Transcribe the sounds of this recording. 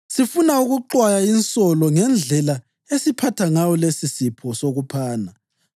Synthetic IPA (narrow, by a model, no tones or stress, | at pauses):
sifunauɣuǃwajainsɔlɔŋɛnd͡ɮʱɛla | esipʰatʰaŋawɔlesisipʰɔsoɣupʰaːna